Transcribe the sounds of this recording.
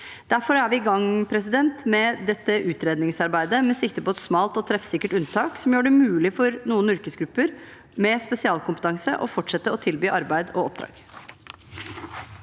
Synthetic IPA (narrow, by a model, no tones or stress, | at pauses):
d̪̥æɾfɔɾæɾʋɪɡɑŋːpʰɾɛs̬ɪd̪ɛnt̪mɛd̪ɛt̪ːəʔʉːt̪ɾeːd̪nɪŋsɑɾbæɪd̪əmɛsɪkt̪əpʰɔɛt̪smɑːlt̪ɔt̪ʰɾɛfsɪkːəʈʉnt̪ʰɑːksɔmjøːɖɛmʉːlɪfɔɾnuːənʏɾkəsɡɾʉpːəɾ | mɛspɛsɪɑːlkʰʊmpət̪ɑŋsəʔɔfɔʈʂɛt̪ːəɔt̪ʰɪlbyːʔɑɾbæɪd̪ɔɔp̚d̪ɾɑ̰ːɡ̥